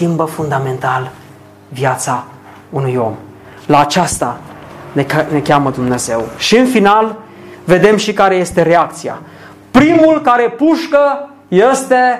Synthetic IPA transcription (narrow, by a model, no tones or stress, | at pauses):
kʲimbəfund̪ame̞nt̪al | vjat̪sa | unujo̞̰m | laːt͡ʃast̪anene̞kʲaməd̪umne̞ze̞wʃiɨnfinal | ve̞d̪e̞mʃikaɾe̞je̞st̪e̞ɾe̞akt̪sia̰ | pɾimulkaɾe̞puʃkə | jest̪e̞